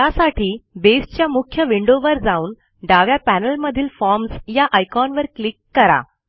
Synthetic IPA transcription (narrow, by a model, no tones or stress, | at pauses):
jasaʈiːbesʈt͡ɕjamukʰjəʋiɳɖoʋəɾd͡zauːn | ɖaʋjapænəlməd̪ʱiːlfɔɾmsjaʔajkɔnʋəɾklikːəɾa̰